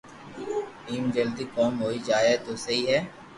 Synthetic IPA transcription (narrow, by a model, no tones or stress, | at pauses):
ʈiːmd͡ʒɐld̪ikɔːmɦoːid͡ʒaːet̪oːsɐɦiɦɛː